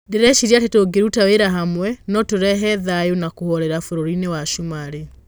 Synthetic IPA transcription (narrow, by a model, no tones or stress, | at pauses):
ndeɾɛʃiɾiatetoɡeɾutaweɾaɦamwɛnɔtoɾɛɦɛðajonakohɔɾɛɾafoɾoɾinewaʃumaɾe